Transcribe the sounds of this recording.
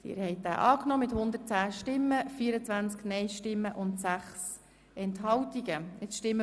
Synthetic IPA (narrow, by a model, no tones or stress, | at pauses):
tɪ̰ːɾhɛɪt̚d̥æ̰ːʔɑːknɔːmɪthʊnd̪ərt̚t͡sæːʃtɪmːəfiəɾət͡sʋænt͡sknɛɪʃtɪmːəʔʊntsæχs | ɛntɦɑwtiɡəɪt͡sʃtɪmːə